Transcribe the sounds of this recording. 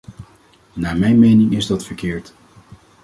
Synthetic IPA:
naːmɛjnmejnɪŋɪzdɑtfəɹkɪːɹt

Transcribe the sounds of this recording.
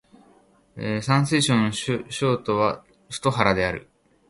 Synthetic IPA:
esãɰ̃sɨiɕõnɕɕoːt̪o̞βa | sɨ̥t̪o̞ɦaɾad̪e̞aɾɯ̟̰

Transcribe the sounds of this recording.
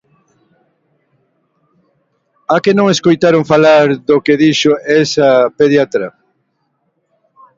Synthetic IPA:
akenõŋeskojt̪aɾoŋfalaɾðokeðiʃoesapeðjat̪ɾɐ

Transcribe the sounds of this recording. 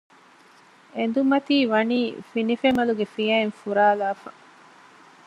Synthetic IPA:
end̪umɐt̪iːʋɐniːfinifemɐluɡefijɐenfuɾaːlaːfɐ

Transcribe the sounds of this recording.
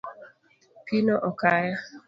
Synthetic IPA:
pinoʔɔkaja

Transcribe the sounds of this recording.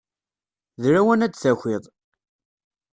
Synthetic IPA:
ðɾæwænæt͡sːθæçʷɪðˤ

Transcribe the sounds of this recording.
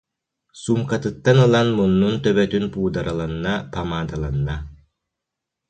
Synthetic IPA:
sumkat̪ɯt̪ːanɯlˠanmunːunt̪œβɛt̪ynpuːd̪aɾalˠanːapamaːd̪alˠanːa

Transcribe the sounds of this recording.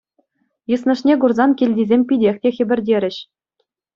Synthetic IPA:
jɯsnɤ̆ʂnʲeɡurzɑnkʲilʲdʲizʲemʲpʲidʲexʲtʲexʲɘ̆bʲɘ̆rʲdʲeɾʲɘ̆ɕ

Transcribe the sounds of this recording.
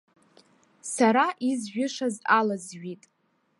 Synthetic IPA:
saɾaʔizʒᶣʊʂazalazʒʷᶣitʼ

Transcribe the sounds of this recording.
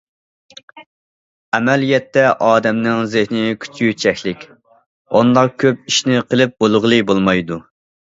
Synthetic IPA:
ɛmɛlijɛt̪ːɛʔɑːd̪ɛmnɪŋzɪhnɪkʲʰy̥t͡ʃʰjyt͡ʃʰɛkʲlɪkʲ | ond̪ɑq̚kʲʰøp̚iʃnɪqʰəlˠɪp̚bolˠʁlˠɨbolˠmɑjd̪u

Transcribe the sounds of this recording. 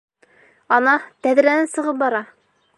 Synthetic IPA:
ɒnɑt̪æðɾænænsɤ̆ʁɤp̚bɒɾɑ

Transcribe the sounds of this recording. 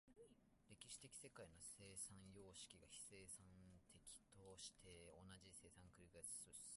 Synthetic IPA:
ɾe̞kʲiɕi̥t̪e̞kʲi̥se̞kaino̞se̞ːsãɰ̃jo̞ːɕi̥kʲiɡaçi̥se̞ːsãnt̪ʰe̞kʲi̥t̪o̞ɕi̥t̪ʰe̞o̞naʑise̞ːsãŋkɯ̟ɾʲiɡḁsɨ

